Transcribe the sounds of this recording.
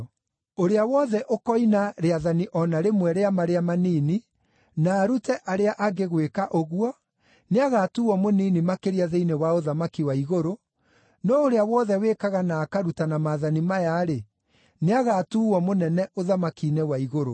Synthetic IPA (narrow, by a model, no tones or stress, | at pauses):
oɾeawɔðɛʔokɔinaɾeaðaniʔɔnaɾemwɛɾeamaɾeamaniːni | naːɾutɛʔaɾeaʔaɡeɣwekaʔoɣwɔ | neaɣaːtuːwɔmoniːnimakeɾiaðeinewaoðamakiwaiɣoɾo | nɔoɾeawɔðɛwekaɣanaːkaɾutanamaðanimajaɾe | neaɣaːtuwɔmonɛnɛoðamakinewaiɣoɾo